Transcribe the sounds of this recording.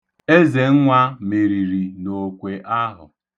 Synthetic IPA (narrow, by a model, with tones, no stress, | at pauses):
e˦ze˨ŋ̩˦ŋʷa˦me˨ɾi˨ɾi˨no˨kʷe˨ʔa˦ɦʊ̰˨